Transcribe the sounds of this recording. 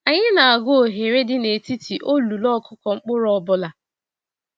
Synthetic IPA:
a˨ɲɪ˦na˨a˨ɡʊ˦o˨ɦe˨ɾe˦dɪ˦ne˨ti˦ti˨ʔo˦lu˨lɔ˦kʰʊ˦kɔ˨ŋ͡m̩˦k͡pʊ˦ɾɔ˦˨bʊ˦la˨

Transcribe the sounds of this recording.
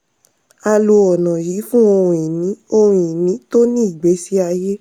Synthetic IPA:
a˧lu˧ɔ˨nã˨ji˨˦fũ˦o˧hũ˨i˨nĩ˨˦o˧hũ˨i˨nĩ˨˦to˦nĩ˦i˦˨ɡ͡be˨˦si˦a˧je˦

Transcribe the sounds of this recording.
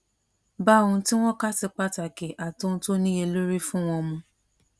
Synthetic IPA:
ba˦õ˧˦ti˦w̃ɔ̃˦ka˦ti˧k͡pa˦ta˨ke˨ʔa˨tõ˦˧to˦nĩ˦e˧lo˦ɾi˦fũ˦w̃ɔ̃˧mũ˧

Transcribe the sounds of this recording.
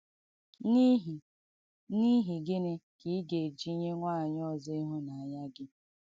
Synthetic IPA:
n˦ɦ | ni˦ɦi˨ɡɪ˦ne˦ki˦ɡe˨e˨d͡ʒi˦ɲe˦ŋʷa˦˨ɲ˦ɔ˦˨zɔ˦i˦ɦʊ˦na˨a˨ɲa˦ɡɪ˦

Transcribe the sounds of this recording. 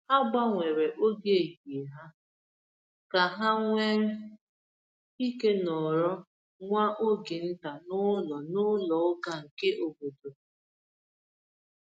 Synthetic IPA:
a˦ɡ͡ba˦ŋʷe˨ɾe˨ʔo˦ɡe˦e˨ji˨e˨ɦa˦ | ka˨ɦa˦ŋʷe˦ŋ̩˦ | i˦ke˦nɔ˨ɾɔ˦ | ŋʷa˦ʔo˦ɡe˨n̩˦ta˨nʊ˦lɔ˨nʊ˦lɔ˨ʊ˦ka˨ŋ̩˨ke˦ʔo˨bo˨do˨

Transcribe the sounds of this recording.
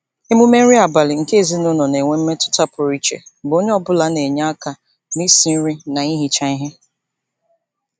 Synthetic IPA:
i˦mu˦me˦i˦a˨ba˨lɪ˨ŋ̩˨ke˦˨zi˦nʊ˦nɔ˨ne˨ŋʷe˦m̩˦me˦tʊ̥˦ta˦pʊ˨ɾi˦t͡ʃḛ˨bo˦ɲe˦ɔ˦bʊ˦la˦ne˨ɲa˦a˦ka˨ | mi˦si˨n̩˦ɾi˦na˨i˦ɦi˦t͡ʃa˦i˦ɦe˦

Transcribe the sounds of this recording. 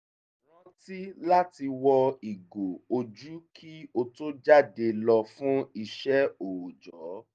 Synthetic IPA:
ɾɔ̃˦ti˦la˦ti˧wɔ˧i˨ɡo˨o˧d͡ʒu˦kʰi˦o˧to˦d͡ʒa˦˨de˧lɔ˧fũ˦i˧ʃɛ˦o˨d͡ʒɔ˨˦

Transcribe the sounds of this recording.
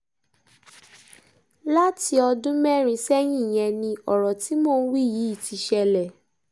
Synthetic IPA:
la˦ti˧ɔ˧dũ˦mɛ˦˨ɾ̃ĩ˧sɛ˦j̃ĩ˦˨j̃ɛ̃˧nĩ˧ɔ˨ɾɔ˨ti˨˦mɔ̃ː˦˨˦wi˦ji˨˦i˦˨ti˨˧ʃɛ˧lɛ˨

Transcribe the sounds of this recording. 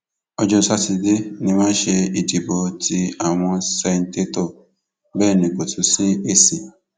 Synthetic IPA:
ɔ˧d͡ʒɔ˧˨sa˦ti˨de˦nĩ˧mãː˦ʃe˧i˨di˨bɔ˧ti˧a˨w̃ɔ̃˧sɛ˧n̩˦te˦tɔ˦˨ | bɛː˦˨nĩ˨ko˨tʰu˨˦si˦e˦si˨

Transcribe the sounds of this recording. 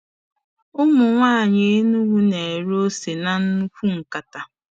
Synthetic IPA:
ʊ˦mʊ˨ŋʷaː˦˨ɲɪ˦nu˦ɡu˦ne˨ɾo˦se˨na˨n̩˦nu˦kʷu˦ŋ̩˨ka˨ta˨

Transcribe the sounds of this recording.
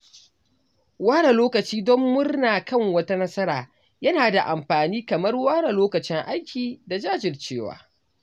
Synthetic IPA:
waː˦ɽa˨loː˦kɐ˨t͡ʃiː˦dɔ˦mːʊ˦rnaː˨kɐ˦ŋwɐ˦ta˦nɐ˦sɐ˦ɾaː˨ | jɐ˦naː˨da˨ʔa˨mɸaː˨niː˦kɐ˨mɐ˦rwaː˦ɽa˨loː˦kɐ˨t͡ʃɪ˦ŋʔa˦jkʲiː˨da˨d͡ʒaː˦d͡ʒɪ˨rt͡ʃeː˦˨wa̰ː˨

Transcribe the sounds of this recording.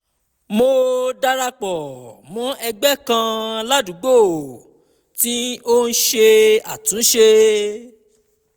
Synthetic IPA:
mo˧da˦ɾa˧k͡pɔ˨mɔ̃˨˦ɛ˧ɡ͡bɛ˦˨kã˧la˦du˨˦ɡ͡bo˦˨ | ti˦o˦n̩˦ʃe˧a˨tũ˨˦ʃe˧

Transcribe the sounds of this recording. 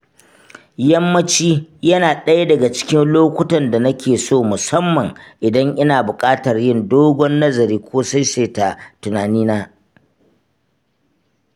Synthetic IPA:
jɐ˦mːɐ˦t͡ʃiː˦jɐ˦naː˨ɗɐ˦ja˦dɐ˨ɡa˨t͡ʃɪ̥˦kʲɪ˦nloː˦kʷʊ˦tɐ˨nda˨nɐ˦kʲʰeː˨soː˦˨mʊ˨sɐ˦mːɐ˨ŋʔɪ˨dɐ˦ŋʔɪ˦naː˨bʊ˨kʼaː˦tɐ˨rjɪ˦˨ndoː˦ɡʷɔ˦nːɐ˦zɐ˨ɾiː˦kʷoː˦sa˦jseː˦ta˨tʊ˨naː˨niː˦naː˦

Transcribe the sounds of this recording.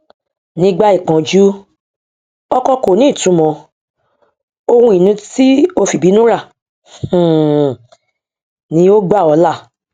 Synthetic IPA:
nĩ˧ɡ͡ba˧i˨k͡pã˨d͡ʒu˦ | ɔ˧kɔ˧ko˨nĩ˨˦˨tũ˨˦mɔ̃˨˧ | o˧wũ˧˦i˨nũ˧ti˦o˧fi˨bi˨˦nũ˦ɾã˦˨ | nĩ˧˦o˦ɡ͡ba˦˨ɔ˨˧la˦˨

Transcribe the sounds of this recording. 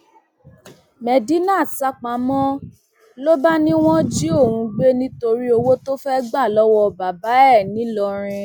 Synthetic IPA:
mɛ˨di˦nã˦˨sa˧k͡pa˨mɔ̃˦ | lo˦ba˦nĩ˦w̃ɔ̃˦d͡ʒi˦o˦˨wũ˧ɡ͡be˦nĩ˦to˧ɾi˦o˧wo˦to˦fɛ˦ɡ͡ba˦˨lɔ˨˦wɔ˧ba˨ba˨˦ɛ˦˨nĩ˨˦lɔ˧ɾ̃ĩ˧

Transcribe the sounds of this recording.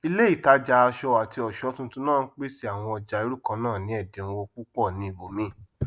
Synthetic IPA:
i˦le˦i˦˨ta˨˦d͡ʒa˧a˧ʃɔ˧wa˨ti˧ɔ˨ʃɔ˨˦tũ˧tũ˧˦nãː˦˨n̩˦k͡pe˦si˦a˨w̃ɔ̃˧ɔ˧d͡ʒa˨i˧˦ɾu˦kã˧˦nãː˦˨nĩ˨˦ɛ˦˨dĩ˨˦˧wo˧k͡pu˦k͡pɔ˦˨nĩ˨˦i˦˨bo˨mĩ˦

